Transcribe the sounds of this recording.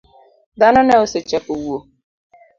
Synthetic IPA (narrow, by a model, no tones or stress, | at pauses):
dananaoset͡ʃɛkowuo